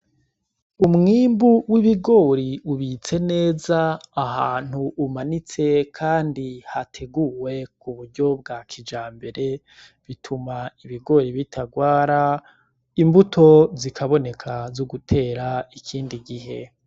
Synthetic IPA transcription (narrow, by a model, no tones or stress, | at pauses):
umŋiːmbuwiβiɡo̞ːɾiuβit͡se̞ne̞ːzaːhaːn̥huʔːmanit͡se̞kʰaːndihatʰe̞ɡuwe̞kuβuɾɟo̞b̚ɡakʰid͡ʒaːmbe̞ɾe̞ | βitʰumaiβiɡo̞ːɾiβitʰaɡwaːɾa | imbutʰo̞zikʰaβo̞ne̞kʰazoɡutʰe̞ːɾaikʰiːndiɡiɦe̞̰